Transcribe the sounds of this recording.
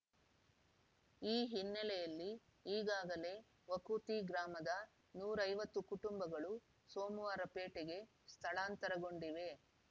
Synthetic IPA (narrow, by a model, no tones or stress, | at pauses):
iːɦinːɛlɛjɐlːi | iːɡaːɡɐle̞ | ʋɐkuːt̪iɡɾaːmɐd̪ɐ | nuːɾɐjʋɐt̪ːukuʈumbɐɡɐɭu | soːmuʋaːɾɐpe̞ːʈɛɡe̞ | st̪ʰɐɭaːnt̪ɐɾɐɡo̞ɳɖiʋe̞